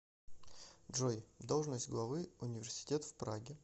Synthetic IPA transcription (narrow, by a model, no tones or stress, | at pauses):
dʐojd̪o̞lˠʐnəsʲtʲɡlˠɐvɨʊnʲɪvʲɪrsʲɪ̥tʲe̞t̪fpɾa̰ɡʲɪ